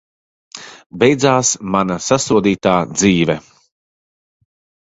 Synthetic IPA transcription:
bɛjd̪zaːsmanasasuɔd̪iːt̪aːd̪ziːvɛ

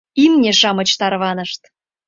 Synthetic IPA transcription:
imnʲeʃɑmɤ̆t͡ɕt̪ɑɾβɑnə̆ʃt̪

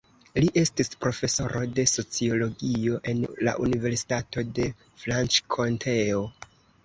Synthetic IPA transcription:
liʔe̞stispɾo̞fe̞so̞ɾʔo̞de̞so̞t͡sio̞lo̞ɡio̞ʔe̞nla̰ʔunive̞ɾsi̥tato̞de̞ | flant͡ʃkʰo̞ntʰe̞o

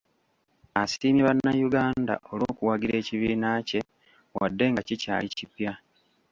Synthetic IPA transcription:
asiːmiβanːajuɡaːnda̰ʔo̞lo̞ːkuwaɡiɾe̞ːciβiːnace̞ | wa̰dːe̞ŋɡacica̰ːlicipja

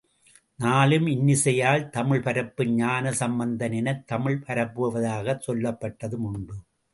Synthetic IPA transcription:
naːlɯmɪnːɪsɐjaːlt̪ɐmɪɭpɐɾɐpːɯɲaːnɐsɐmbɐnd̪ɐnɪnɐt̪ːɐmɪɭpɐɾɐpːɯʋɐʋɐðaːɣɐsɔlːɐpːɐʈːɐðɯmʊɳbɯ

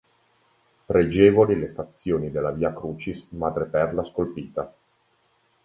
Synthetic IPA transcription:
pɾed͡ʒɛːvolilest̪at̪sːjoːnid̪elːaviːakɾuːt͡ʃismad̪ɾepɛrlaskolpiːt̪a

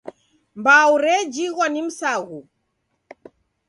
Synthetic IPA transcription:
mbauɾɛd͡ʒiɣwanim̩saɣu

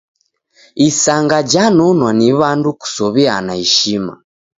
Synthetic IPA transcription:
isaŋɡad͡ʒanɔnwaniβanduku̥sɔβia̰naiʃima̰

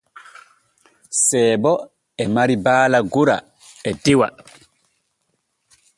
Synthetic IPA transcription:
sɛːbɔ | ɛmaɾibaːlaɡuɾa̰ | ɛdiwa̰

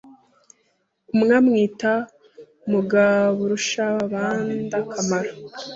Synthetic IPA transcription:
umŋamŋiːta | muɡaβuɾuʃaaβaːndakʰamaɾa

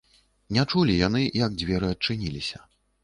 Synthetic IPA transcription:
nʲɛt͡ʂulʲijan̪ɨjɐɡ̚d͡zʲvʲɛɾɨɐt͡ʂɨnʲilʲisʲɐ̥

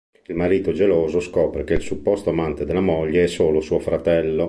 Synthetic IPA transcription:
ilmaɾiːt̪od͡ʒeloːzoskɔːpɾekeilsupːɔst̪oamant̪ed̪elːamoʎːeɛsːoːlosuːofɾat̪ɛlːo

